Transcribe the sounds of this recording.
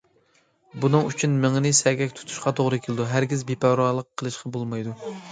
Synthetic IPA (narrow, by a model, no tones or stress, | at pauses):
bunɨŋyt͡ʃʰynmɪŋnɪsɛɡʲɛkʲt̪ʰu̥t̪ʰu̥ʃqɑt̪ʰoʁɾɨkʲʰelɨd̪uɦæɾɡʲizbepæɾɑlˠəqʰːəlˠɨʃqʰɑbolˠmɑjd̪u